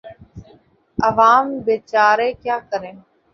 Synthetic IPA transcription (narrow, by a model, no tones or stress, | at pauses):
əʋaːmbeːt͡ʃaːɾeːkjaːkəɾẽː